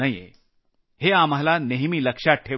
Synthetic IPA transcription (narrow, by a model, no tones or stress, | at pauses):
ɐjḛ | ɦeãːmɐɦlaneɦmilɐkʃaʈʰe